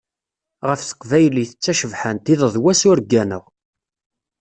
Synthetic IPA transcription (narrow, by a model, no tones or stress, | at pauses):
ʁəfθə̥qvæjəliθət͡sːæʃəvħænt̪iðəðˤwæsʊɾɡænə̰ʁ